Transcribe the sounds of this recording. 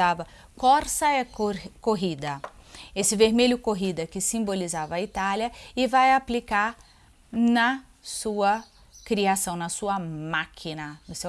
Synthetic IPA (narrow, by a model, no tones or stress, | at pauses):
avɐ | kɔɾsɐɛkoɾkoɦid̪ɐesɪveɾmeʎʊkoɦid̪ɐkɪsĩbolizavɐit̪aljɐɪvajaplikaɾ | nɐ | suɐ | kɾiasɐ̃w̃nɐsuɐmakʰinɐnʊsew